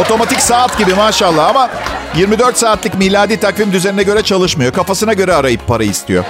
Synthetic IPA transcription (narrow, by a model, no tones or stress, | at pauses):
o̞t̪ʰo̞mat̪ʰicsaːat̪ɟibimaːʃalˠːaɦamajiɾmid̪øɾt̪saːt̪lʲˠɯcmilʲad̪iːt̪ʰakvimd̪yze̞ninɛɟø̞ɾɛt͡ʃʰalˠɯʃmajo̞kʰafasɯnaɟø̞ɾɛaɾajɯpʰːaɾaist̪ʰḭjo̰